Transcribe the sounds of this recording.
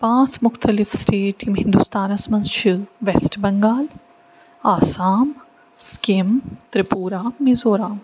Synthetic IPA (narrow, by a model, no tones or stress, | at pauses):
pãːt͡smʊxt̪ɐlɪfsʈeːʈimɦɪ̃nd̪ust̪aːnɐsmɐ̃nʃɨʋesʈbɐŋɡaːl | aːsaːm | skimt̪ɾɪpuːɾaːmizoːɾaːm